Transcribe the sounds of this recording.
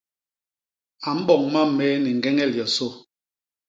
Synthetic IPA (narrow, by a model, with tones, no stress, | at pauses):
a˨m̩˦ɓɔ˨ŋma˦m˨mɛ˦ni˨ŋ˨ɡɛ˦ŋɛ˦˨ljɔ˨so˦